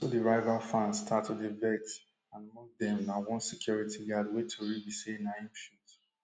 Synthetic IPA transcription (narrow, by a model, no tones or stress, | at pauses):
sodiɹaɪvafãnstʰatudivɛt | ãnmɔ̃dɛ̃mnawɔ̃nsɛkʰjɔɹitʰiɡadwetʰuɹibisẽnaĩnfut